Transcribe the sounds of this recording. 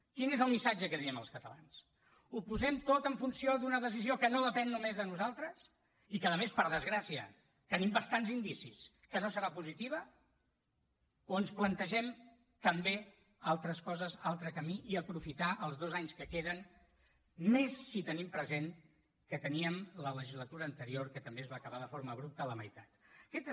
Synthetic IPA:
kinezəlˠmisad͡ʒəkəðiəmə̰lˠskət̪əla̰ns | upuzɛmt̪ot̪əɱfunsioðunəðəs̬iziokənoðəpɛnːumezðənuzalˠt̪ɾəs | ikəðəmespəɾðəzɣɾasiə̰ | t̪ənimbəst̪anzind̪isis | kənosəɾapuzit̪iβ̞ə | oənsplənt̪əʒɛm | t̪əmbe | alˠt̪ɾəskɔzəzalˠt̪ɾəkəmiʔiəpɾufit̪aʔəlˠzðozaɲskəkeðən | mesːit̪ənimpɾəzeŋ | kət̪əniəmlələʒizlət̪uɾəːnt̪əɾioɾkət̪əmbeəzβaːkəβaðəfoɾməβ̞ɾup̚t̪ələmə̰jt̪at̪kɛt̪

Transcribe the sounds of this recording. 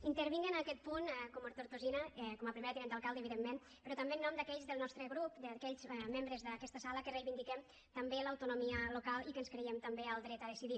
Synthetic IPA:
int̪əɾβiŋɡənakɛt̪̚punkomoɾt̪oɾt̪uzinəkɔməpɾimeɾət̪iɾɛnd̪əlˠkalˠd̪əːβiðemːen | pɾɔt̪ambenːɔmd̪əkɛʎzðəlˠnɔst̪ɾəɣɾupd̪əkɛʎzmembɾəzðəkɛst̪əsaləkərejβind̪ikɛm | t̪ɐmbeləwt̪unumiəlukalˠikənskɾejɛmt̪ambeəlˠd̪ɾɛt̪əðəsiði

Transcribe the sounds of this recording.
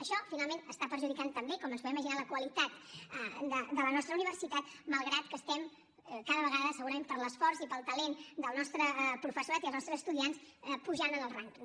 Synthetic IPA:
əʃɔfinalˠmenəst̪apəɾʒuðikant̪əmbekɔmənspɛiməʒinaləkwəlit̪at̪d̪əd̪ələnɔst̪ɾəuniβərsit̪at̪məlˠɣɾat̪kəst̪ɛm | kaðəβəɣ̞aðəsəɣuɾəmempəɾləsfɔrzipəlˠt̪əlend̪əlˠnɔst̪ɾəpɾufəsuɾat̪iəlˠznɔst̪ɾəzəst̪uðianspuʒanənəlˠraŋk

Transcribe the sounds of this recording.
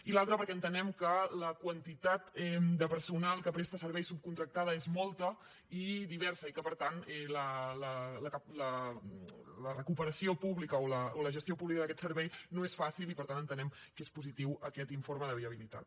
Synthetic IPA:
ilalˠt̪ɾəpəɾkɛənt̪ənɛmkələkwənt̪it̪at̪ɛd̪əpəɾsunalˠkəpɾest̪əsəɾβɛjsup̚kunt̪ɾək̚t̪að̞əezmɔlˠt̪ə | iðiβ̞ɛɾsəikəpəɾt̪anɛlələləkalə | lərəkupəɾəsiopuβlikəoləoləʒəst̪iopuβlikəðəkɛt̪səɾβɛjnoesfasilipəɾt̪anənt̪ənɛm | kespuzit̪iwəkɛt̪iɱfoɾməðəβiəβilit̪a̰t̪̚

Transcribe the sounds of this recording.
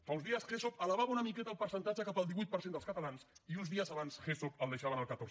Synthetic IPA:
fawnzðiəsxesopələβaβaunəmikɛt̪əːlˠpəɾsənt̪ad͡ʒəkapəːlˠd̪iβujt̪pəɾsend̪əskət̪alansiunzðiəzaβansxesopəlˠd̪əʃaβənəlˠkət̪oɾ

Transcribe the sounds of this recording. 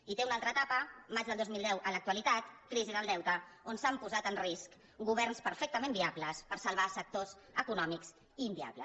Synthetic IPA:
it̪eunalˠt̪ɾəːt̪apəmad͡ʒðəlˠd̪ozmilˠd̪ɛwʔələk̚t̪uəlit̪at̪kɾiziðəlˠd̪ɛwt̪əonsampuzat̪ənrisk | ɡuβ̞ɛrnspəɾfɛk̚t̪əmembiabləspəɾsəlˠβasək̚t̪oz | əkunɔmikz | iːmbia̰blə̰s

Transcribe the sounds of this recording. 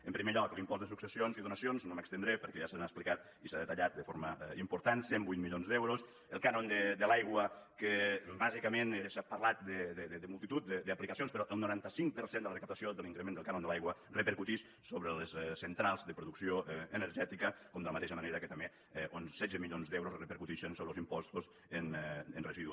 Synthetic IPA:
əmpɾimeʎɔklimpɔzðəsuksəsionziðunəsionznoməkst̪ənd̪ɾepəɾkɛʒasanasplikat̪̚ | isaðət̪aʎat̪̚d̪əfoɾməimpuɾt̪ansembujt̪miʎonzd̪ɛwɾos | əlˠkanond̪əd̪əlajɣwəkəbazikəmensapəɾlat̪̚d̪əd̪d̪d̪əmulˠt̪it̪ut̪̚d̪əd̪əaplikəsionspəɾɔʔəlˠnuɾant̪əsiŋkpəɾsend̪ələrəkap̚t̪asioðəliŋkɾemend̪əlˠkanond̪əlajɣwərəpəɾkut̪iʃ | soβɾələssːənt̪ɾalˠzðəpɾuðuksioʔənəɾʒɛt̪ikəkɔmd̪ələmat̪eʃəməneɾəkət̪əme | onssɛdd͡zəmiʎonzd̪ɛwɾosrəpəɾkut̪iʃənsoβɾəlˠzimpɔst̪uz | ənənrəziðu

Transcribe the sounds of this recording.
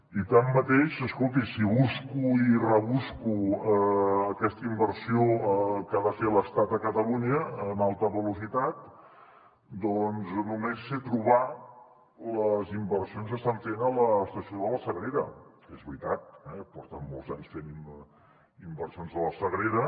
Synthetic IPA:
it̪amːət̪eʃəskolˠt̪̬isiβuskuirəβuskuəəkɛst̪əimbəɾsiokaðəfeləst̪at̪əkət̪əluɲəːnalˠt̪əβəlusit̪at̪̚ | d̪ɔnznumesːet̪ɾuβa | ləzimbərsionzəst̪aɱfenələːst̪əsioðələsəɣɾeɾə̰ | ezβɾit̪at̪̚ɛpɔrt̪əmːo̰lˠzaɲsfeni | imbərsionzðələsəɣɾeɾə

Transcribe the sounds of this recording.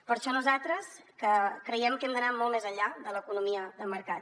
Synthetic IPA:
pəɾʃɔnuzat̪ɾəs | kəkɾəjɛmkɛmd̪ənamɔlˠmeɛzəʎːaðələkunumiəðəməɾkat̪̚

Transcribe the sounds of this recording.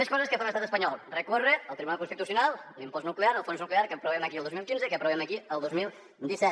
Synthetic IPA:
eʃkɔzɐskefamest̪at̪espɐɲɔlˠrekoreɐlˠt̪ɾiβunalkoũst̪it̪usjunalˠlĩmpoznukleaɾəlˠfõnsnukleaɾkepɾoβemɐkilˠðozmilˠkĩnzekɐpɾoβemɐkiəlˠd̪ozmilˠ | d̪isɛ

